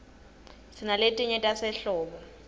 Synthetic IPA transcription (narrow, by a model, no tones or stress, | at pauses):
sɪnaletʼɪɲɛtʼasɪɬɔːβɔ